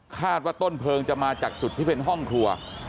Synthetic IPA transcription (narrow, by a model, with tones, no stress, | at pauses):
kʰaː˥˩t̪̚waː˥˩t̪o˥˩npʰɤː˧ŋt͡ɕa˨˩maː˧t͡ɕaː˨˩k̚t͡ɕu˨˩t̪ʰːi˥˩pe˧nɦɔ˥˩ŋkʰu˧ɐ